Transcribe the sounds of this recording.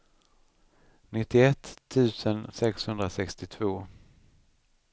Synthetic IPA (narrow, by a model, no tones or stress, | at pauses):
nɪt̪ːɪɛt̪ʰːʉ̟ːsənsɛkshɵnd̪ɾasɛkst̪ɪt̪ʰvoː